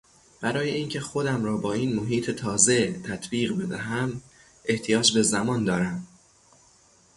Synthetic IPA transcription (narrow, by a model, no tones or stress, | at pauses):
b̥æɾɒːjeʔiːŋcʰe̞xo̞d̪æmɾɒːbɒːiːnmoɦiːt̪ʰet̪ʰɒːze̞t̪ʰæt̪ʰbiːɣbe̞d̪æɦæm | ʔeht̪ʰijɒːd͡ʒbe̞zæmɒːnd̪ɒːɾæm